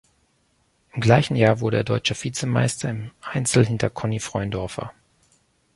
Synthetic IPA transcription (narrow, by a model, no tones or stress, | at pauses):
ʔɪmɡlaɪçn̩jaːɐvʊɐɾəeːɐdɔʏt͡ʃɐfiːt͡səma̰ɪstʰɐɪmʔaɪnt͡sl̩ɦɪntɐkʰɔnifʁ̥ɔʏndɔɐfɐ̰